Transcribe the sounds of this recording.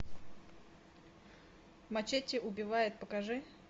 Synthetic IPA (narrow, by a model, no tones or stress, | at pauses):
mɐt͡ɕetʲːɪʔʊbʲɪvajʊt̪̚pəkɐʐɨ